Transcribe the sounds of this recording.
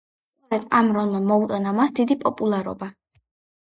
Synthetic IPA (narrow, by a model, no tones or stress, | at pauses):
sʼɔɾɛd̪̥amɾɔlˠmamɔut̪ʼanamasd̪id̪ipʼɔpʼulˠaɾɔ̰ba